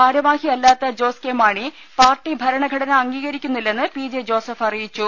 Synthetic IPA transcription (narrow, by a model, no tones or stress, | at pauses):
aːɾɐmaːhiɐlːaːt̪ːɐd͡ʑo̞ːskeːmaːɳi | paːrʈːibʱɐɾɐɳɐɡʱɐɽɐnɐɐŋɡiːɣɐɾikʲːunːilːe̞nːɨpiːd͡ʑed͡ʑo̞ːsɐfɐrijit͡ɕːu